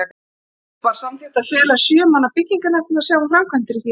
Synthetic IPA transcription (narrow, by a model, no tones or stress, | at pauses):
paːɾsamt̪ɛ̥t̪aðfɛːlasjœːmanːapɪcːiŋkanahnɪðasjaːwvafɾamkʰvant̪ɪɾiθi